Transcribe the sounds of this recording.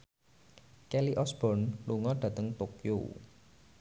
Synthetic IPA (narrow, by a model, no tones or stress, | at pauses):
kɛliʔɔsb̥ɔ̤nluŋɔɖ̥ä̤t̪əŋt̪okjo̰